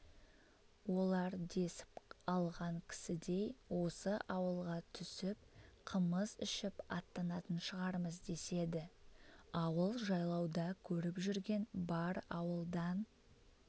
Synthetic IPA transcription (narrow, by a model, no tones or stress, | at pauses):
wo̞lˠɑɾd̪e̞sɪ̥pɑlˠʁɑŋkʲʰɪ̥sɪd̪e̞jwo̞səʔɑwəlˠʁɑt̪ʰʏsɪp̚qʰəməzʏʃɪpɑ̰t̪ːɑnɑt̪ənʃəʁɑɾməzd̪e̞se̞d̪ɪ | ɑwəlˠʒɑjlˠɑwd̪ɑkʲʰɵɾɪpʒʏɾɡʲe̞nbɑɾɑwəlˠd̪ɑn